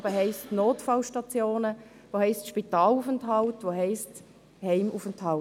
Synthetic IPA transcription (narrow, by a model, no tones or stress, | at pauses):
bəɦɛɪstnoːtfɑlʃtɑt͡sjoːnə | ʋoːhɛɪstʃpitɑːlufɛntɦɑltʋoɦɛɪst | hɛɪmufənthɑ